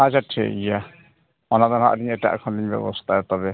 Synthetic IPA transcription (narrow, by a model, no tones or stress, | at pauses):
at͡ʃaʈʰḭja | ɔnad̪ɔnɦa̰ʔd̪iɲɛʈa̰ʔkʰɔnd̪iɲbɛ̰bɔst̪ʰaɛt̪ɔbɛ